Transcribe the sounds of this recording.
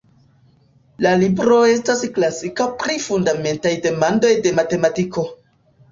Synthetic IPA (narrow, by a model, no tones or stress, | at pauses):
lalibɾo̞e̞stasklasikapɾifundame̞ntajde̞mando̞jde̞mate̞matiko̞